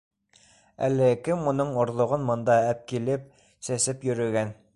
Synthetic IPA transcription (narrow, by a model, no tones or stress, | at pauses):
æ̰lːɘkɘmːŏnɤɴŏɾðˠŏʁɤnmŏnd̪ɑæp̚kilɘp̚ | sæsɘpjɵ̆ɾɵ̆ɡæn